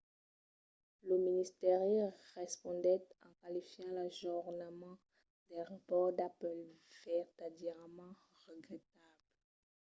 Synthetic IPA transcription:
ləminist̪eʁjeʁɛspɔ̃d̪ɛt̪ɑ̃kalifjɑ̃laʒuʁnəmɑ̃ | d̪ɛ̃ʁapɔʁd̪apɛl | vɛʁt̪ad̪iɛʁmɑ̃ | ʁəɡʁɛt̪abl

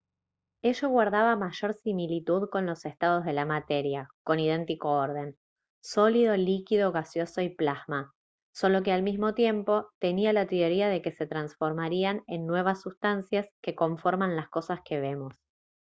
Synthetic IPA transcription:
e̞ʒoɣwaɾðaβamaʒo̞ɾsimilit̪uðko̞nlo̞se̞st̪að̞o̞zð̞e̞lamat̪e̞ɾjako̞nið̞e̞nt̪iko̞oɾð̞e̞n | so̞liðo̞likiðo̞ɣasjo̞so̞iplaɣma | so̞lo̞k̬ealmizmo̞t̪je̞mpo̞t̪e̞nialat̪eoɾiað̞e̞ke̞se̞t̪ɾansfo̞ɾmaɾiane̞nːwe̞β̞asːust̪ansjaske̞ko̞ɱfo̞ɾmãnlasko̞saske̞β̞e̞mo̞s

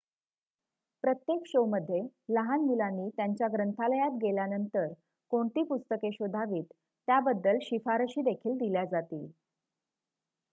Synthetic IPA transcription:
pɾət̪jekɕoməd̪ʱːjeləɦanmilanːiːt̪jaɲt͡ɕjaɡɾənt̪ʰaləjat̪̚ɡeljanənt̪əɾ | koɳt̪iːpust̪əkeɕod̪ʱaʋiːt̪ː | jabəd̪ːəlɕifaɾəɕiːd̪ekʰiːld̪iljad͡zat̪iː

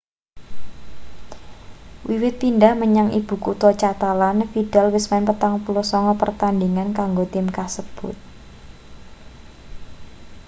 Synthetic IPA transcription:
wiwɪt̪̚pindahməɲaŋʔḭb̥ṳkut̪ɔt͡ʃat̪alanfidɛlwɪsmɛnpət̪aŋpulɔsɔŋɔpərt̪andiŋankaŋɡot̪ɪmkasəb̥ʊt̪̚

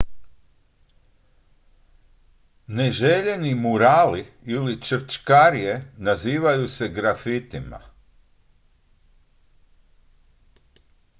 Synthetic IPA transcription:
neʒeʎe̞nimuɾaːliilit͡ʃəɾt͡ʃkaɾijenaziːʋajuse̞ɡɾafit̪ima̰

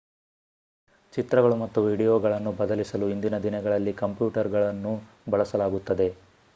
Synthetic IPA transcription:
t͡ʃit̪ɾɐɡɐɭumɐt̪ːuʋiːɖijoːɡɐɭɐnːubɐd̪ɐlisɐluind̪inɐd̪inɛɡɐɭɐlːikɐmpjuːʈɐɾɡɐɭɐnːu | bɐɭɐsɐlaːɡut̪ːɐd̪e̞

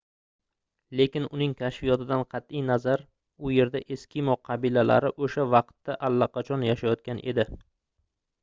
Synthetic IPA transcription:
le̞kʲɪnʊnɪŋkʲʰaʃfijɒt̪ʰɪd̪anqʰɑt̪ijnazaɾ | ʊje̞ɾd̪aʔe̞skʲɪmɒqʰɑbilala̰ɾɪʔoʃavɑqt̪ːaʔalːaqɑt͡ʃʰɒnjaʃajɒt̪̚kʲanʔe̞̰d̪ɪ

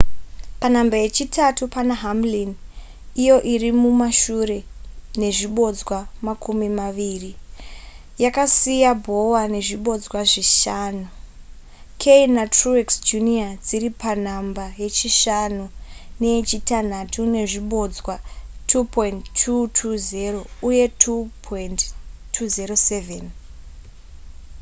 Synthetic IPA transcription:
pan̤ambaje̞t͡ʃitʰatupanaɦamlin | ijo̞ʔirimumaʃuɾe̞ne̞ʐiɓo̞d͡zwamakumimaʋiːri | jakasijabʱo̞wane̞ʐiɓo̞d͡zwaʐiʃaːnu | kʰeinatrueksd͡ʒuniad͡ziɾipan̤ambaje̞t͡ʃiʃanune̞d͡ʒitan̤atʰune̞ʐiɓo̞d͡zwatʰupointʰːutʰuzero̞uje̞tʰupʰondtʰuzeɾo̞se̞ven

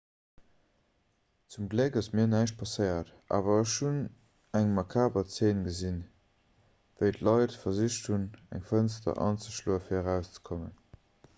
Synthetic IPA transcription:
t͡sumɡləkɑsmiːɐnæɪʃt̚pʰɑsəɪɐtʔa̰ːvɐəʃun | æŋmɑkʰaːbɐt͡seːnɡəzin | vəɪtlɑɪtfɐziʃtʰhunæ̰ŋfənstɐ̰ʔɑ̰nt͡səʃlo̰ːəfiɐəʁæʊst͡sə̥kʰomə̰n

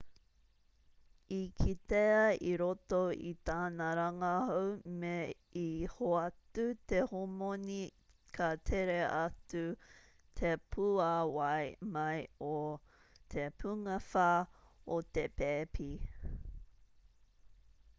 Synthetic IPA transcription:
ikʰiteɐiɾot̪oḭt̪aːnɐɾɐŋɐhowme | ihoɐtut̪ehomoni | kʰat̪ʰeɾeʔɐtu | t̪ʰepʰuawɐjmɐjo | t̪ʰepʰuŋɐfaːot̪epeːpʰi

